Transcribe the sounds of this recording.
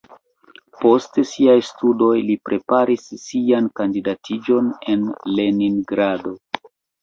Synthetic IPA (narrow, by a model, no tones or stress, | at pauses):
po̞stesiajstudo̞jlipɾʔe̞paɾisːiankandidatʰid͡ʒo̞ne̞nle̞niŋɡɾado̞